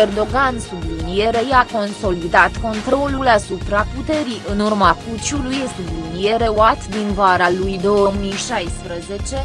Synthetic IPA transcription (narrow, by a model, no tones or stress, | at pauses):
erd̪o̞ɡansubɨnije̞ɾejako̞nso̞lid̪at̪ko̞nt̪ɾo̞lulasupɾaput̪e̞ɾiɨnurmaput͡ʃuluje̞st̪eb̪ɨnije̞ɾe̞wat̪d̪invaɾalujd̪o̞wəmijʃajspɾəze̞t͡ʃe̞